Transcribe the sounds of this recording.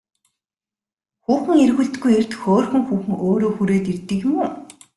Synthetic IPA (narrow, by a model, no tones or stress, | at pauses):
xuːxɘ̆ŋerɣŭɮt̪ɡujert̪xoːrxɵ̆ŋxuːxɘ̆ŋoːɾoːxuɾeːt̪irt̪ːɘ̆kjɪ̆muː